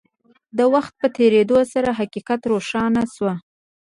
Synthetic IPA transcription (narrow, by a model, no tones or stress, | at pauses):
d̪əwaxt̪̚pət̪ʰeɾed̪osaɾaɦaqiqat̪ɾoʃɑnaswa